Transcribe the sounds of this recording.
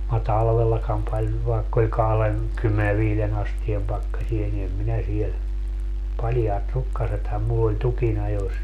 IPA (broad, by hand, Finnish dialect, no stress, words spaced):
mɑ tɑlʋelːɑkɑm pɑlʲ ʋɑekː olʲ kɑhlen kymːene ʋiːlen ɑstiem pɑkːɑsie ni em minæ siel pɑljɑːt rukːɑsethɑm mulː olʲ tukinɑjos